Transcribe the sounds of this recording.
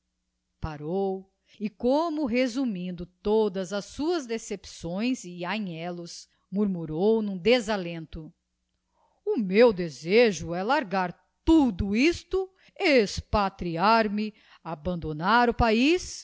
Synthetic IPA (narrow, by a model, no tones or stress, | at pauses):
paɾow | ɪkõmʊɦezumĩnd̪ʊt̪od̪ɐzɐsːuɐzd̪esepsõj̃zɪaɲɛlʊs | muɾmuɾownũd̪ezalẽnt̪ʊ | ʊmewd̪ezeʒʊɛlaɾɡaɾ | t̪ud̪ʊist̪ʊ | espat̪ɾiaɾmɪ | abɐ̃nd̪onaɾʊpais